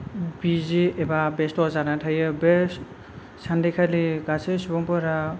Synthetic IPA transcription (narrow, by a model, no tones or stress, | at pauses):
biziebabestɔzaɾatʰajɯbes | sandekʰaliɡasesubɔmpɯɾa